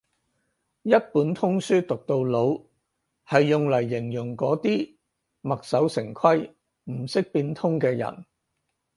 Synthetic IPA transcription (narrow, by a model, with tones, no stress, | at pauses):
jɐ˥t̚puː˨˥nt̪ʰʊ˥ŋsyː˥t̪ʊ˨k̚t̪o˧wlo˨˧w | hɐ˨jːʊ˨ŋlɐ˨˩jːɪ˨˩ŋjʊ˨˩ŋkɔː˨˥t̪iː˥ | mɐ˨k̚sɐ˨˥wsɪ˨˩ŋkʰɐ˥j | m̩˨˩sɪ˥k̚piː˧nt̪ʰʊ˥ŋkɛː˧jɐ̰˨˩n